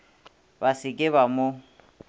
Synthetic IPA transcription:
basɪkʼɪβamo

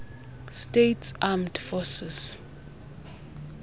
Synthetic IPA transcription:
stetʰsamdfɔsɛs

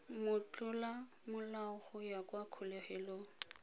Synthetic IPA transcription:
mʊt͡ɬʼʊla | mʊlaʊχʊjakʼwakʰʊleχɛlo

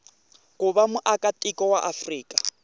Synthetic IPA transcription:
kʊbamʊʔakʼatʼikʼɔwaʔafriːkʼḁ

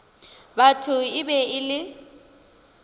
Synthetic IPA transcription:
batʰʊɪbɛɪlɪ

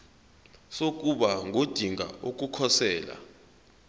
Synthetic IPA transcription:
sok̬ʼuɓaŋʱod̥ʱiŋʱa̰ok̬ʼukʰɔsɛːla̰

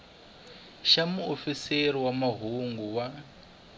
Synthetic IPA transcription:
ʃamuofiseɾiwamaɦuŋɡuwa

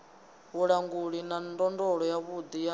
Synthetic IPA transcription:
βuɺaŋɡuɺinandɔndɔɺɔjaβud̪ija

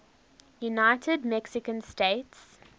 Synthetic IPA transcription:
junaɪtʰədmɛksɪkə̃nstets

